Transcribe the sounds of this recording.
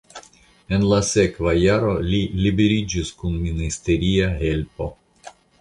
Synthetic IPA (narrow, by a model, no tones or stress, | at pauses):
e̞nlase̞kvajaɾo̞lilibe̞ɾid͡ʒiskunministe̞ɾiaɦe̞lpo̞